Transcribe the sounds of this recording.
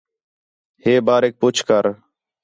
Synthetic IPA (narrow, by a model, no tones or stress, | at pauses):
heːbaːɾeːk̚pʊt͡ʃʰkəɾ